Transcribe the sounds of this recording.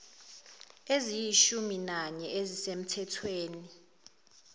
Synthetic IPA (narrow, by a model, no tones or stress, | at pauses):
ezijiʃuminaɲɛezisem̩tʰɛtʰweːni